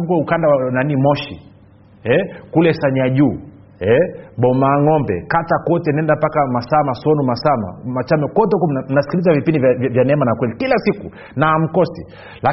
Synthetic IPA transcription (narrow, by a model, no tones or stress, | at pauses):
ukwaukandawananimɔʃḭ | ɛkulɛsaɲaʄuː | ɛɓɔmaːŋɔmbɛ̰katakɔtɛnɛndapakamasamasɔnumasama̰mat͡ʃamɛkɔtɔkum̩nasi̥kilizavipindivvjanɛmanakwɛlikilasiku | naːm̩kɔsi | la